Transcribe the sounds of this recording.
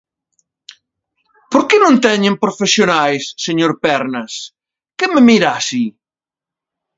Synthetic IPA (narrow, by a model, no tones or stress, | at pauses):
poɾkenõnt̪ɛɲẽmpɾofesjonajsːeɲoɾpɛɾnɐs | kememiɾasi